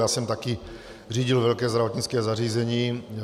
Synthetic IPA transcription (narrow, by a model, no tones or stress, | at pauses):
jaːsɛmt̪aki | riːɟilʋɛʎkɛːzd̪ɾaʋɔt̪ɲit͡skɛːzaɾiːzɛɲiː